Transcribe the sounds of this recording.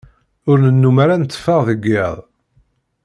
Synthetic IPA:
ʊɾnənːumaɾanət͡s̪ːə̥fəʁðəɡːɪðˤ

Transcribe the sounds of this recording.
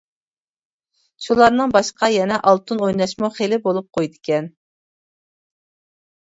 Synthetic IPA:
ʃulˠɑɾnɨŋbɑʃqɑjɛnɛʔɑlˠt̪ʰunojnɑʃmuχelɪbolˠup̚qʰojd̪ɪkʲɛn

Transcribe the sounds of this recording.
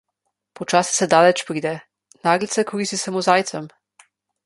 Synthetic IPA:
pɔt͡ʃaːsi̥sɛd̪aːlɛt͡ʃpɾiːd̪ɛ | naːɡlit̪sɛkɔɾist̪isamozaːjt̪sɛm

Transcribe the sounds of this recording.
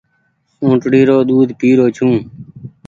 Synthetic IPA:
sõːʈɽiːɾoːɗ̪uːd̪ʱpiːɾoːt͡ʃʰũː

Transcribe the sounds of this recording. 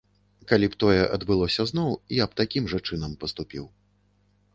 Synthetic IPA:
kalʲipt̪ɔjɛʔɐd̪bɨlˠɔsʲɐznɔwiapt̪akʲimʐɐt͡ʂɨnɐmpɐst̪upʲiw

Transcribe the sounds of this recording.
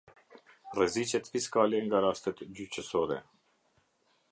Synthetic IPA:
rɛzit͡ʃɛt̪fiskalɛŋɡaɾast̪ɛt̪d͡ʑyt͡ɕəsɔɾɛ̰

